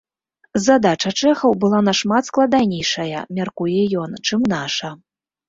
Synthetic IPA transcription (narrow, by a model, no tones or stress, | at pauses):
zad̪at͡ʂɐt͡ʂɛxɐwbɨlˠanɐʂmat̪sklˠɐd̪anʲejʂɐjɐ̰mʲarkujɛjɔnt͡ʂɨmnaʂɐ